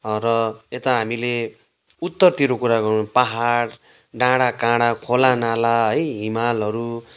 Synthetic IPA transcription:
rʌet̪aɦamile | ut̪ːʌrt̪iɾokuɾaɡʌɾunpaɦaɽ | ɖãɽakãɽakʰolanalaɦʌjɦimalɦʌɾu

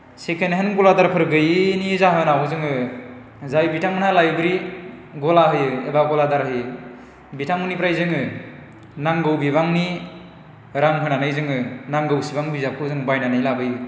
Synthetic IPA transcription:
sekʰeneɦenɡɔladaɾpʰɯɾɡɯjnizaɦɯnawozɯŋɯ | zajbitʰaŋunalajuɡɾiɡɔlaɦɯjɯebaɡɔladaɾɦɯjɯ | bitʰaŋunipɾajzɯŋɯ | naŋɡɯwbiβaŋni | ɾaŋɦɯnanɯjzɯŋɯnaŋɡɯwsibaŋbizakʰɯzɯŋbajnanɯjlabɯjɯ

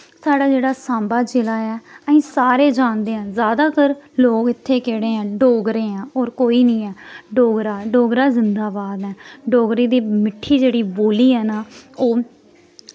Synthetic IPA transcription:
saːɖaːd͡ʒeːɽaːsãːmbaːd͡ʒelaːɛːəĩːsaːɾeːd͡ʒãːnd̪eːɛ̃ːzjaːd̪aːkəɾloːɡɪt̪ʰːeːkeːɽeːɛ̃ːɖoːɡɾeːãːɔːɾkoːiːnĩːɛːɖoːɡɾaːɖoːɡɾaːzɪnd̪aːbaːd̪ɛːɖoːɡɾiːd̪iːmɪʈʰːiːd͡ʒeːɽiːboːliːɦɛːnaːoː

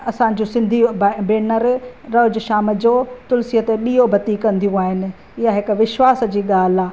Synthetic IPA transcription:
ɐsãːɲ̆d͡ʑũsɪ̃nd̪ʱibbeːnəɾɾɐɦʊd͡ʑʊʃaːmə̆d͡ʑoːt̪ʊlsiət̪eɗiːɦobʱɐt̪ikɐ̃nd̪ʱijũaːɦɪnɪ̆ | ɪɦaɦɪkʋɪʃwaːsd͡ʑiːɠaːl̤aː

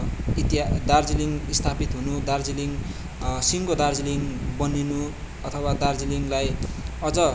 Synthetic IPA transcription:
it̪id̪ard͡ziliŋist̪ʰapit̪ɦunud̪ard͡ziliŋ | siŋkod̪ard͡ziliŋbʌninu | ʌt̪ʰʌwad̪ard͡ziliŋlajʌd͡zʌ

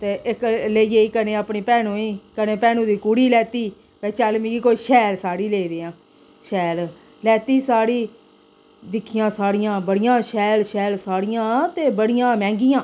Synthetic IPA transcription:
t̪eːʔɪkleːiːeːiːkəneːaːpɳiːpɛːnũːiːkəneːpɛːnũːd̪iːkuːɽiːlɛːt̪iː | pɛːt͡ʃəlmĩːɡiːkoːiːʃɛːlsaːɽiːleːid̪eːãː | ʃɛːl | lɛːt̪iːsaːɽiː | d̪ɪkʰːɪjãːsaːɽɪjãːbəɽɪjãːʃɛːlʃɛːlsaːɽɪjãːt̪eːbəɽɪjãːmɛ̃ːŋɡɪjãː

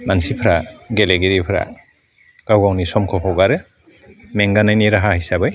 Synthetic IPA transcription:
mansipʰɾaɡeleɡiɾipʰɾa̰ | ɡ̥awɡawnisɔmkʰɔkʰɔwɡaɾɯ | meŋɡanajniɾaɦahajsabɯj

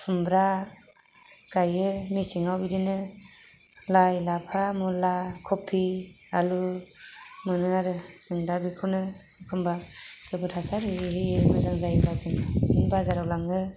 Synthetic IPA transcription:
pʰɯmbɾa | ɡ̥ajɯmisiŋawidinɯ | lajlapʰamɔlakʰɔpʰːi | a̰lu | mɯnɯaɾɯ | sɯŋdabikʰɔnɯ | kʰɯmbaɡ̥ɯbɯtʰasaɾɯihiemɯzaŋzajbɾawtʰɯnaɯŋbazaɾawlaŋɯ

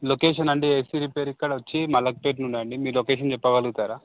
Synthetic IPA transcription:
lokeːʂɐnɐɳɖiɐjsiːɾipeːɾikːɐɽɐʋɐt͡ʃːimɐlːɐk̚peːʈnuɳɖiɐɳɖimiːɾlokeːʃɐnt͡ʃɛpːɐɡɐlɡut̪aːɾaː

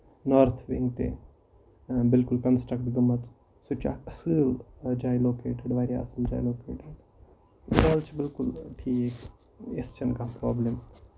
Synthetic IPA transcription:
noːɾt̪ʰʋiŋɡt̪ḛ | bɪlkʊlkɐnsʈɾək̚ʈɡɐmːət͡s̪ | sut͡ʃʰa̰ɐsɨld͡ʒaːjloːkeːʈeɖʋaːɾja̰ɐsəld͡ʒa̰ːjloːkḛːʈeɖ | aːlt͡ʃʰbɪlkʊlpʰieːk | est͡ʃɐnkãpɾaːbləm

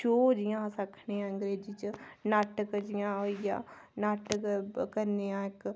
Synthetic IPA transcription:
ʃoːd͡ʒijãːsəkʰneːãːəŋɡɾeːd͡ʒiːt͡ʃnaːʈəkd͡ʒɪjãːojã̰ː | naːʈkkəɾnejãːɪk

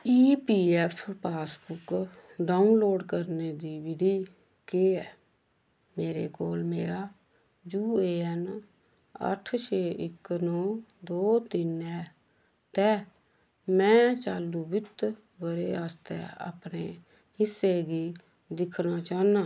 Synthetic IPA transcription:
iːpiːɛːpʰpaːsbʊkɖaːunloːɖkəɾneːd̪iːʋɪd̪iː | keːɛː | meːɾeːkoːlmeːɾaː | d͡ʒuːeːɛn | ə̰ʈʰt͡ʃʰeːʔɪknõːd̪oːt̪ɪnɛː | t̪ɛː | mɛ̃ːt͡ʃaːlːuːbɪt̪ | bəɾeːaːst̪ɛ̰ːa̰ːpneː | ɪsːeːɡiː | d̪ɪkʰnaːt͡ʃaːnãː

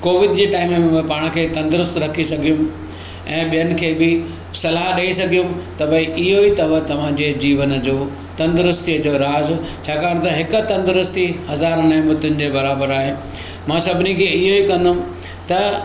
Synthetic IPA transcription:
koːʋɪd̪d͡ʑeːʈaːɪmẽpaːɽ̃kʰeːt̪ɐ̃nd̪ʊɾʊst̪ɾɐkʰisɐɡʱijʊ̃m | ɛ̃ːɓijənɪ̆kʰeːbɪ | sɐlaːɦɗɐisɐɡʱijʊ̃mt̪ɐbɐiʔɪɦoit̪ɐʋət̪ɐʋ̤ãd͡ʑed͡ʑiːʋənd͡ʑoː | t̪ɐ̃nd̪ɾʊst̪iəd͡ʑoːɾaːz | t͡ɕʰaːkaːɽ̃t̪ɐɦɪkʊ̆t̪ɐ̃nd̪ɾʊst̪ihɐzaːɾnãmbʊt̪ʊnɪ̆d͡ʑeːbɐɾaːbəɾaːɦeː | mãːsɐbʱɪnikʰeːɪɦoikɐ̃nd̪ʊm | t̪ɐ

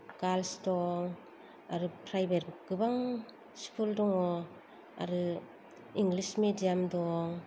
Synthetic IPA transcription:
ɡalstɔŋ | aɾɯpʰɾajbeɾɡɯbaŋ | spʰuldɔŋɔ | a̰ɾɯ | iŋɡlismedijamdɔŋ

